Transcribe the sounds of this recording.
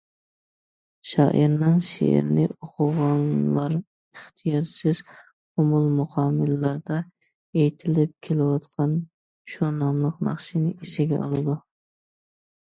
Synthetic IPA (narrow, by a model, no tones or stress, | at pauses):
ʃɑ̰ːʔɪɾnɪŋʃḛʔḛɾnɪoqʰʊʁɑnlɑɾ | ɪχt̪ʰijɑɾsɪz̥ | qʰʊmʊlˠmʊqʰɑmɪlːaɾd̪a | ejt̪ʰɪlɪp̚kʲʰelɪwɑt̪qʰɑn | t͡ʃʰonɑmlˠɨqnɑ̰χʃɪnɪʔesɪɡʲɛʔɑ̰lˠɨd̪ʊ